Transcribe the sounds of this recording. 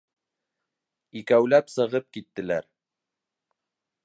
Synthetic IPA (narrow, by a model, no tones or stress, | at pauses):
ikæwlæpsɤ̆ʁɤp̚kit̪ːɘ̆læɾ